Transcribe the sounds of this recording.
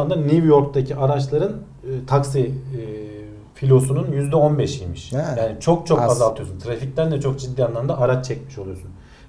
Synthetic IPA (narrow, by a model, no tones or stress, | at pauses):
and̪anivjo̞ɾk̚t̪ʰacʰiʔaɾat͡ʃlˠaɾɯnː | t̪ʰaksi | filʲo̞sununjyzd̪ɛo̞nbɛʃijmiʃjaːnit͡ʃʰo̞k̚t͡ʃʰo̞kazalˠt̪ʰɯjosunt̪ʰɾafict̪ʲænd̪ɛt͡ʃʰo̞kd͡ʒid̪ːiːjanlˠamd̪aːɾat͡ʃt͡ʃʰːɛcmiʃo̞lˠujosun